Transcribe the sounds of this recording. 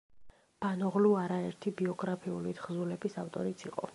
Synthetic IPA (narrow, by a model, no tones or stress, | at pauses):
b̥anɔʁluaɾaɛɾt̪ʰibiɔɡɾapʰiulit̪ʰχzulɛbisaft̪ʼɔɾit̪sʰiqʼɔ̰